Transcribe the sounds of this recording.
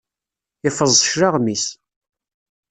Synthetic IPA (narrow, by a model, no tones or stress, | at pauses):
ɪfəzˤəʃɾɑʁmis